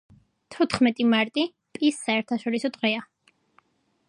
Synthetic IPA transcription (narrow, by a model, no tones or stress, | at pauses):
t̪ʰɔt̪ʰχmɛt̪ʼimaɾt̪ʼi | pʼisːaɛɾt̪ʰaʃɔɾisɔd̪ʁɛa